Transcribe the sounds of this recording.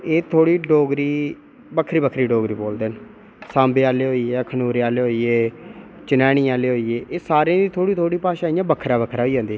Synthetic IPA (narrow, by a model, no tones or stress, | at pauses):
eːt̪ʰoːɽiːɖoːɡɾiː | bəkʰɾiːbəkʰɾiːɖoːɡɾiːboːld̪eːn | sãːmbeːaːleːɦoːiɛːkʰənuːɾeːaːleːɦoːieː | t͡ʃənɛːɽ̃ĩːaːleːɦoːiːeːʔeːsaːɾeãːd̪iːt̪ʰoːɽiːt̪ʰoːɽiːpaːʃaːijãːbəkʰːɾaːbəkʰɾaːɦoiːɦãːnd̪iɛ